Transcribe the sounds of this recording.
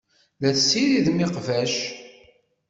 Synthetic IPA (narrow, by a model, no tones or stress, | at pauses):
læθsːiɾiðmiqvæʃ